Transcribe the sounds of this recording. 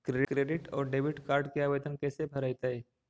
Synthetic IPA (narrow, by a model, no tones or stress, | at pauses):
kɾekɾeːɖɪʈɔːɾɖeːʋɪʈkaːɾɖkeaːʋeːd̪ənkɛːsebʱɐɾajt̪ae